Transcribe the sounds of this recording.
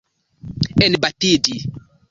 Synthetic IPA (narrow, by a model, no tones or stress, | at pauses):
enbatidi